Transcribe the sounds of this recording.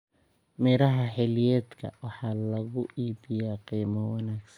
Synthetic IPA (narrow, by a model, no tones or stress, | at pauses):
mɛːɾɐɦɐħɛlɪjɛːd̪kʰɐ̰wɑħɑːlɐɣʊʔiːbɪjaːqiːmɔwɑnaːɡsɐn